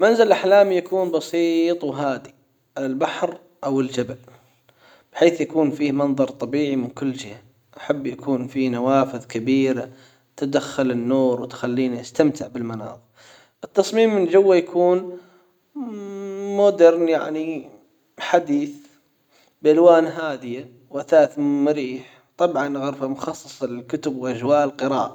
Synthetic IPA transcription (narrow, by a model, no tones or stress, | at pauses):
manzalʔaħlaːmjakuːnbɑsiːt̪ˤwɦaːd̪i | ʔɪlbaħɾ | ʔawɪld͡ʒabal | b̥ħeːθjakuːnfiːmɑnðˤɑɾˤt̪ˤɑbiːʕimɪnkʊlːd͡ʒɪha | ʔaħabːjakʰuːnfiːnawaːfɪðkabiːɾa | t̪ad̪axːalɪnːoːɾwɪt̪xalːiːniʔast̪amt̪ʰɪʕbɪlmanɑ̰ːðˤ | ʔɪt̪ːɑsˤmiːmːɪnd͡ʒawːajakʰuːn | mʊd̪ɪɾˤnjaʕni | ħad̪iːθ | bʔalwaːnɦaːd̪ɪja | waθaːt̪mʊɾiːħ | t̪ˤɑbʕɑnɣʊɾfamʊxɑsˤːɨsˤlɪlkʊt̪ʊbwʔad͡ʒwaːʔlqɨɾaːʔa